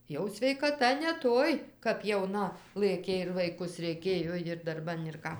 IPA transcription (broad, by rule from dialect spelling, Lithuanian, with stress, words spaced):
ˈjɛʊ sʲʋʲɛɪkɐˈtɐ nʲɛ ˈtoːj kɐp jɛʊˈnɐ ˈlˠɘkʲeː ɪr ʋɐɪˈkʊs rʲɛɪˈkʲeːjoː jɪr dɐrˈbɐn ɪr ˈkɑː